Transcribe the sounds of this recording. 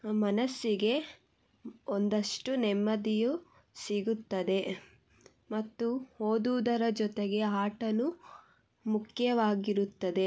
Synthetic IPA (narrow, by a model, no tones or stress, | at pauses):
mɐnɐsːiɡe̞ | ond̪ɐʂʈunɛmːɐd̪iju | siɡut̪ːɐd̪e̞ | mɐt̪ːuhoːd̪ud̪ɐɾɐd͡ʒɔt̪eɡe̞aːʈɐnu | mukʰjɐʋaːɡiɾut̪ːɐd̪e̞